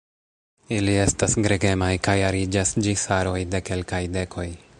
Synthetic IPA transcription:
ilie̞stasɡɾeɡe̞majkajaɾid͡ʒasd͡ʒisaɾo̞jde̞ke̞lkajde̞kʰo̞j

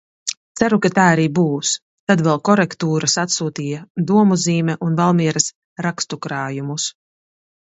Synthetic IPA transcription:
t̪sæɾukat̪aːaɾiːbuːs | t̪ad̪vɛlˠkɔɾɛkt̪uːɾasat̪suːt̪iːjad̪uɔmuziːmʲɛʔunvalˠmiɛɾɐs | ɾakst̪ukɾaːjumus

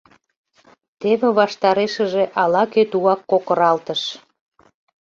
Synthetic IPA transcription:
t̪eβĕβɑʃt̪ɑɾeʃə̆ʒeʔɑlɑkøt̪uɑkːokəɾɑlt̪əʃ

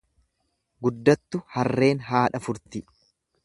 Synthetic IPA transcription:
ɡʊd̪ːɐt̪ːʊhɐrːe̞ːnɦaːᶑɐfʊɾt̪ɪ

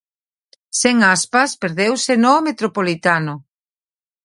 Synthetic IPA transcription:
seŋaspaspeɾðewsenomet̪ɾopolit̪anʊ

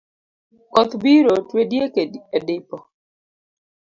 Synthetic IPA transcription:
kɔt̪biɾotwedjekediedɪpɔ

